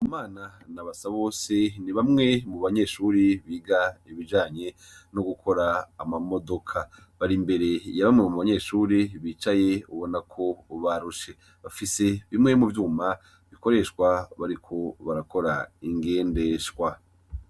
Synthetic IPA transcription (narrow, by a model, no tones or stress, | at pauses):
umaːnanaβasaβo̞seniβamŋe̞muβaɲe̞ːʃuːɾiβiːɡaiβid͡ʒaːɲe̞ | noɡukʰo̞ɾaːmamo̞do̞kʰa | βaɾimbe̞ɾe̞jaβamŋemuβaɲe̞ːʃuːɾiβiːt͡ʃajeuβo̞nakʰo̞βaɾuʃe̞ | βafise̞βimŋe̞muvjuːma | βiko̞ɾe̞ʃkwaβaɾikʰo̞βaɾako̞ɾa̰iŋɡe̞ːnde̞ʃwa